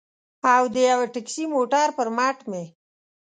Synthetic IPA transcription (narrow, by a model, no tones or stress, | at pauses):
awd̪əjawaʈɪksimoʈaɾpəɾmɑʈme